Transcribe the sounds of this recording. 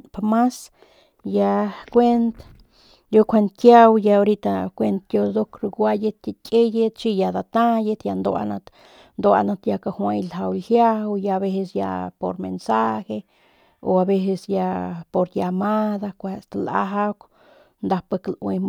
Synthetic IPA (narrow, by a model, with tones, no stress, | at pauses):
pama˦s | ja˧kʷe˦nt̪ | jo˦kʷe˧nt̪kja˦wja˧o˧ɾi˦t̪akʷe˧nt̪jo˧d̪o˦kɾu˧ɡʷa˦je˦t̪kʲʼe˦je˦t̪t͡ʃi˦ja˧d̪a˨t̪a˦je˧t̪ja˧nd̪o˧a̰˧na˧t̪ | nd̪o˧a̰˧na˧t̪ja˧ka˧hwa˧jlɦa˧wlhja˦wja˧βe˧se˧sja̰˧po̰˨ɾmḛnsa˦xe˧ | o˨a˨be˧se˧sja˧po˨ɾja˧ma˦d̪a˧kʷa˧st̪la̰˧ɦa˦k | nd̪a˧pa˧klwe